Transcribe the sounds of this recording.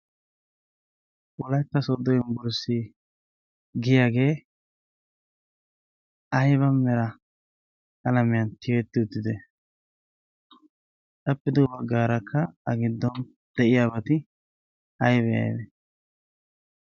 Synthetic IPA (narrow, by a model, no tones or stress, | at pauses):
ᶑwɔlɐjt̪ːɐsɔd̪ːɔjɪmbʊɾsi | ɡɪjaːɡe̞ː | ɐjβɐmːɛɾɐ | kɐlɐmɪjɐnt̪ʰɪjɛt̪ːɪʊt̪ːɪd̪ɛ | ᶑɐpːɪd̪ɔbɐɡːaːɾɐkʰːɐɐɡɪd̪ːɔn | d̪̥ɛʔɪjaːbɐt̪ɪ | ɐjbɛjɐ̰jd̪ɛ